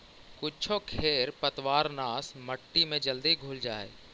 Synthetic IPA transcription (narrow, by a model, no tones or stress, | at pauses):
kʊt͡ʃʰokʰeːɾpɐt̪ʋaːɾnaːsmɐʈːimẽd͡ʒɐld̪iɡʱʊːld͡ʒaːḛː